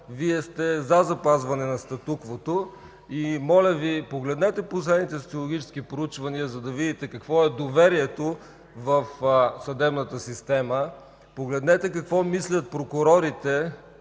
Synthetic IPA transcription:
viɛst̪ɛzazɐpazvɐnɛnɐst̪ɐt̪ukvot̪o | imɔlʲəvipoɡlɛd̪nɛt̪ɛposlɛd̪nit̪ɛso̥t̪siolˠoɡ̟ʲit͡ʃɛ̥skipɾʊut͡ʃvɐniəzɐd̪ɐvid̪it̪ɛkɐkvɔɛd̪ovɛɾiɛt̪o | vɐfsɐd̪ɛbnət̪əsist̪ɛmə | poɡlɛd̪nɛt̪ɛkɐkvɔmislʲɐt̪̚pɾokʊɾɔɾit̪ɛ

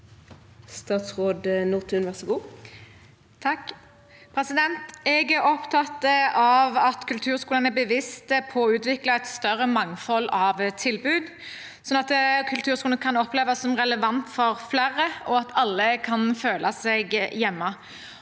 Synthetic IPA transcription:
st̪ɑːt̪sʁoːd̪nuːʁt̪ʰʉnʋæʁsɔɡuː | t̪ʰɑkː | pʰɾɛsɪd̪ɛnt̪ɛɡæɾɔpt̪ʰɑt̪ːəɑʋɑt̪kʰʉlt̪ʰʉːʁskuːlənæbəʋɪst̪əpʰɔʉːt̪ʋɪklɑɛt̪st̪œʁəmɑŋfɔlːɑʋt̪ʰɪlbʉːd̪ | sɔnɑt̪kʰʉlt̪ʰʉːʁskuːlnəkʰɑnɔpleːʋɑsɔmʁɛləʋɑnt̪fɔʁflæːʁəɔɑt̪ʰɑlːəkʰɑnføːlʔɑsɛɡjɛmːɑ

